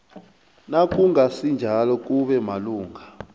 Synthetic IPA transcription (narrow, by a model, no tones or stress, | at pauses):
nak̬ʼuŋasind͡ʒʱalɔk̬ʼuɓɛmaluːŋʱa